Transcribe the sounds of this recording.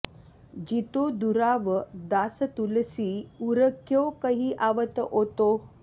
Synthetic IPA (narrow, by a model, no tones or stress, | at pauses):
d͡ʑit̪od̪uɾaʋəd̪asət̪uləsiːuɾəkʰjokəɦiːʔaʋət̪əɦot̪o